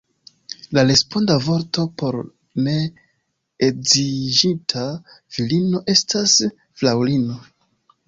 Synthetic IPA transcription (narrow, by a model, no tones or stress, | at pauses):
laɾe̞spo̞ndavo̞ɾto̞po̞ɾ | ne̞ | ezid͡ʒitʰa | v̥ilino̞ʔe̞stas | flawlino̞